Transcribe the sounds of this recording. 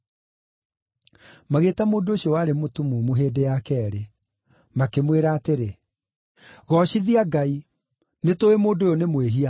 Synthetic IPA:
maɣeːtamoːndooɕjɔwaːɾemotumumoɦeːdejakɛːɾe | makemweɾaːteɾe | ɣɔɕiðiaɡai | netoemoːndojonemweɦia

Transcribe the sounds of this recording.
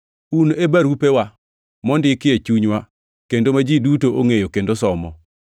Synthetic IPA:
unebaɾupewa | mɔndɪkɪet͡ʃuɲwa | kendomad͡ʒidutoʔoŋejokendosɔmɔ

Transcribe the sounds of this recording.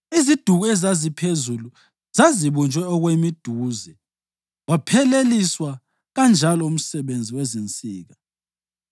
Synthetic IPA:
izid̥ʱuɣuɛzazipʰezulu | z̥aziβunt͡ʃʼwɛɔɣwemid̥ʱuːzɛ | wapʰɛleliswa | ɣand͡ʒʱalɔum̩sɛɓend͡zʱiwɛzint͡sʼiːɣa

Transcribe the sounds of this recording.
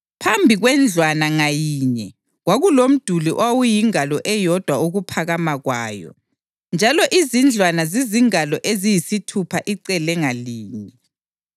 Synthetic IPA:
pʰambʱiɣwɛnd͡ɮʱwanaŋajiːɲɛ | ɣwaɣulom̩d̥ʱuliʔwawujiŋalɔʔɛjɔd̥ʱwauɣupʰaɣamaɣwaːjɔ̰ | nd͡ʒʱalɔʔizind͡ɮʱwanaziziŋalɔʔezijisitʰupʰaʔiǀɛlɛŋaliːɲɛ

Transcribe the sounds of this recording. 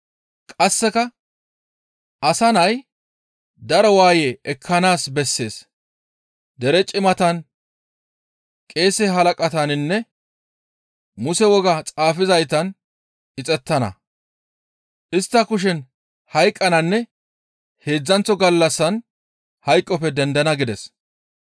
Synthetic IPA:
kʼɐsːɛkɐ | ʔɐsɐnɐj | d̪ɐɾɔwaːjeʔɛkʰːɐnaːsbɛsːe̞̰ːs | d̪ɛɾɛt͡ʃʼɪmɐt̪ɐn | kʼe̞ːsɛɦɐlɐkʼɐt̪ɐnɪnːɛ | mʊsɛwɔɡɐt͡sʼaːfɪzɐjt̪ɐn | ʔɪt͡sʼɛt̪ːɐnɐ̰ | ʔɪst̪ːɐkʊʃ̬ɛn | hɐjkʼːɐnɐnːɛ | he̞ːd͡zːɐnt͡sːɔɡɐlːɐsːɐn | hɐjkʼːɔpːɛd̪ɛnd̪ɐnɐɡɪd̪ɛs

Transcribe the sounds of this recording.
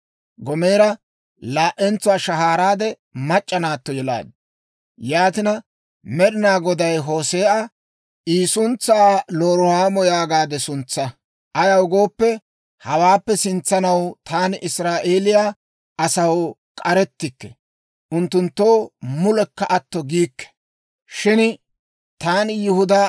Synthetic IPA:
ɡɔme̞ːɾɐ | laːʔɛnt͡sʊwaːʃɐɦaːɾaːd̪ɛ | mɐt͡ʃʼːɐnaːt̪ːɔjɛla̰ːd̪ | jaːt̪ɪnɐ | mɛɗɪnaːɡɔd̪ɐjɦo̞ːse̞ːʔɐ | ʔiːsʊnt͡sːaːloːɾʊhaːmɔjaːɡaːd̪ɛsʊnt͡sːɐ | ʔɐjɐwʊɡo̞ːpːɛ | hɐwaːpːɛsɪnt͡sːɐnɐwt̪ʰaːnʔɪsɾaːʔe̞ːlɪjaː | ʔɐsɐwkʼɐɾɛt̪ːɪkːɛ | ʔʊnt̪ːʊnt̪ːoːmʊlɛkːɐʔɐt̪ːɔɡiːkːɛ̥ | ʃɪn | t̪aːnjɪhʊd̪a

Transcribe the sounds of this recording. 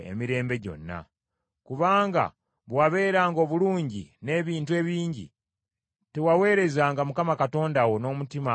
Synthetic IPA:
ḛmiɾe̞ːmbe̞ɟo̞̰nːa̰ | kuβaːŋɡa̰ | βwaβe̞ːɾaːŋɡo̞ːβuluːɲɟḭne̞ːβiːntue̞ːβiːɲɟḭ | te̞wawe̞ːɾe̞zaːŋɡamukamakato̞ːndawo̞no̞ːmutima

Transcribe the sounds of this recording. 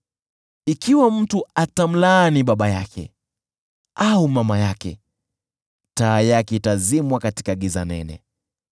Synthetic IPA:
ikiwam̩tuatam̩laniɓaɓajakʰɛ̰ | aumamajakɛ̰ | taːjakitazimwakati̥kaɡiza̰nɛ̰nɛ̰

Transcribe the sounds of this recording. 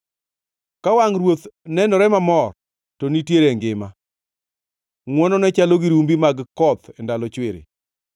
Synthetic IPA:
kawaŋɾwot̪nɛnɔɾɛmamɔr | tonitjeɾeŋɡɪma | ŋwɔnɔnɛt͡ʃaloɡiɾumbimaɡkɔt̪ɛndalɔt͡ʃweɾḛ

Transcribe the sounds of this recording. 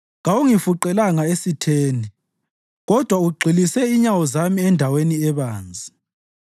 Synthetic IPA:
ɣauŋifuǃɛlaŋaesitʰeːni | ɣɔd̥ʱwauɡ͡ǀʱilisɛiɲawɔzamiɛndʱaweniɛβaːnd͡zʱi

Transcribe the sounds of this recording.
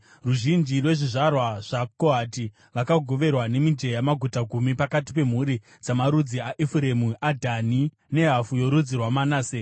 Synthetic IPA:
ruʒind͡ʒirwe̞ʐiʐarwaʐ̥akoɦati | rakaɡʱo̞ʋe̞rwane̞mid͡ʒe̞jamaɡʱutaɡʱumipakati̥pe̞m̤uɾi | d͡zamaɾud͡ziaʔifuɾe̞muʔadʱani | ne̞ɦafujo̞ɾud͡zirwamanaːse

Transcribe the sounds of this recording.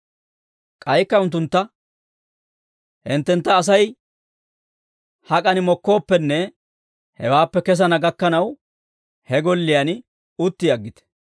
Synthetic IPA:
kʼɐjkːɐʊnt̪ːʊnt̪ːɐ | hɪnt̪ːɛnt̪ːɐːs̬ɐj | hɐkʼɐnɪmɔkːo̞ːpːɛnːɛ | hɛ̰waːpːɛkɛs̬ɐnɐɡɐkːɐnɐw | hɛɡɔlːɪjɐn | ʊt̪ːɪɐɡːɪt̪ɛ̥

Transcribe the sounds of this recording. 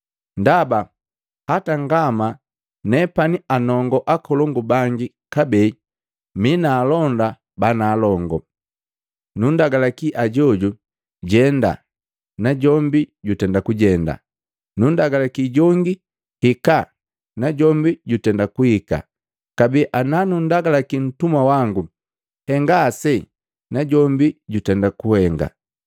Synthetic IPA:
ndaba | hataŋɡama | nɛpanianɔŋɡɔʔakɔlɔŋɡubaŋɡi | kabɛi | minaːlɔnda | banaːlɔŋɡɔ | nundaɡalakiʔaɟɔɟu | ɟɛnda̰ | naɟɔmbiɟutɛndakuɟɛnda̰ | nun̩daɡalakiɟɔŋɡi | hika | naɟɔmbiɟutɛndakuhika̰ | kabiʔananun̩daɡalakin̩tumwawaŋɡu | hɛŋɡaːsɛ | naɟɔmbiɟutɛndakuhɛŋɡa̰

